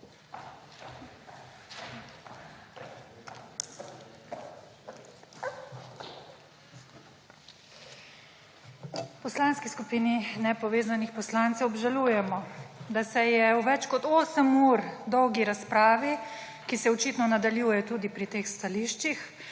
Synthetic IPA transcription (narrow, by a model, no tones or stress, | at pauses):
pɔslanskiskupiːninɛpɔʋeːzanixpɔslaːnt̪sɛwɔbʒaluːjɛmɔd̪asɛjɛuʋɛt͡ʃkɔt̪oːsəmuɾd̪ɔwɡiɾaspɾaːʋi | kisɛɔt͡ʃit̪nɔnad̪aljuːjɛt̪uːd̪ipɾit̪eːxst̪aliːʃt͡ʃix